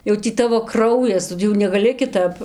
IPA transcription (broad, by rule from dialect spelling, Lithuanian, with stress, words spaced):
jɛʊ ˈtʲiː ˈtɑːʋoː ˈkrɐʊjɛs jɛʊ nʲɛɡɐˈlʲɪ kʲɪˈtɐp